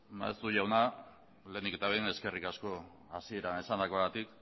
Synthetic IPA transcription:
ma̰ḛst̪uʝawna | le̞nd̪ike̞t̪aβejne̞ske̞rikasko̞ | asie̞ɾaesand̪ako̞aɣat̪ik

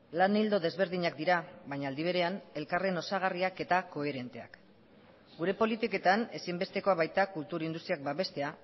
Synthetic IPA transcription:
lanild̪o̞ðe̞zβe̞ɾðiɲak̚d̪iɾaβajɲaːld̪iβ̞e̞ɾe̞ane̞lkare̞no̞saɣ̞ariake̞t̪ako̞e̞ɾe̞nt̪e̞a̰k | ɡuɾe̞po̞lit̪ike̞t̪ane̞simbe̞st̪e̞ko̞aβajt̪akult̪uɾind̪ust̪ɾiak̚baβe̞st̪e̞a

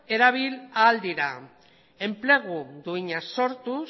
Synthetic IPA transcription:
e̞ɾaβ̞ilaːld̪iɾa | e̞mple̞ɣ̞uðuiɲaso̞ɾt̪u

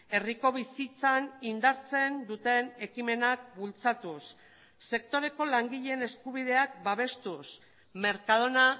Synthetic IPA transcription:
e̞riko̞β̞isit͡sanind̪aɾt͡se̞nd̪ut̪e̞ne̞kime̞nak̚bult͡sat̪usː | e̞kt̪o̞ɾe̞ko̞laŋɡiʎene̞skuβ̞ið̞e̞ak̚baβ̞e̞st̪us | me̞ɾkað̞o̞na

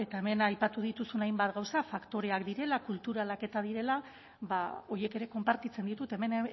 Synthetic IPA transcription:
e̞t̪ae̞me̞najpat̪uð̞it̪usunajmbat̪ɣawsafakt̪o̞ɾe̞akd̪iɾe̞lakult̪uɾalake̞t̪að̞iɾe̞la | βao̞je̞ke̞ɾe̞ko̞mpaɾt̪it͡se̞nd̪it̪ut̪e̞me̞n

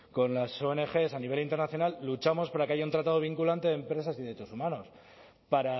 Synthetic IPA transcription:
ko̞nlaso̞ene̞xe̞saniβe̞lint̪eɾnaθjo̞nalːut͡ʃamo̞spaɾakeaʝaunt̪ɾat̪aðo̞β̞iŋkulant̪e̞ðempɾe̞s̬asiðet͡ʃosumano̞s | paɾa

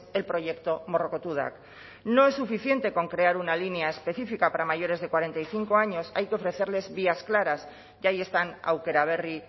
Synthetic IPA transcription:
e̞lpɾo̞ʝe̞kt̪o̞mo̞ro̞kot̪uð̞a̰k | no̞e̞sːufiθje̞nt̪e̞ko̞ŋkɾe̞aɾunalineae̞spe̞θifikapaɾamaʝo̞ɾe̞zðe̞kwaɾe̞nt̪ajθiŋko̞aɲo̞sa̰jkeo̞fɾe̞θe̞ɾle̞zβiasklaɾaz | ʝaje̞st̪ana̰wke̞ɾaβ̞e̞ri

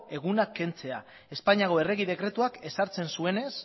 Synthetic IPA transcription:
e̞ɣ̞unakːe̞nt͡se̞a | e̞spaɲiaɣo̞e̞re̞ɣið̞e̞kɾe̞t̪uake̞saɾt͡se̞nsue̞ne̞s

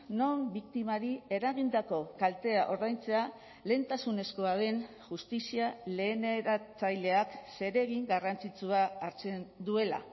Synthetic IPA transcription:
no̞mbik̚t̪imaɾie̞ɾaɣ̞ind̪ako̞kalt̪e̞aʔo̞ɾðajnt͡se̞a | le̞ːnt̪asune̞sko̞að̞e̞n | ʝust̪isiale̞ːneɾat͡sajle̞akse̞ɾe̞ɣiŋɡarant͡sit͡suaːɾt͡se̞nd̪ue̞la̰

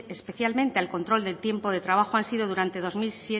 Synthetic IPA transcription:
espe̞θjalmẽnt̪ealko̞nt̪ɾo̞ld̪e̞lt̪je̞mpo̞ðe̞t̪ɾaβ̞axoansið̞oðuɾant̪e̞ðo̞zmilsje

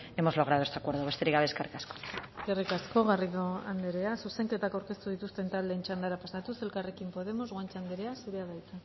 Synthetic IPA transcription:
e̞mo̞zlo̞ɣ̞ɾaðoest̪eakwe̞ɾðoest̪eɾiɣaβeskaɾkasko̥kerikasko̞ɣariðo̞and̪eɾeasuse̞ŋke̞t̪akawɾke̞st̪uðit̪ust̪e̞nt̪ald̪ent͡ʃand̪aɾapasat̪use̞lkare̞kimpo̞ðe̞mozɣant͡ʃand̪eɾeasiɾeaðajt͡se

